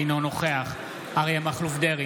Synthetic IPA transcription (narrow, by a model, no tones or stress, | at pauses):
inonoχeaχ | aʁejamaχlufd̪eʁi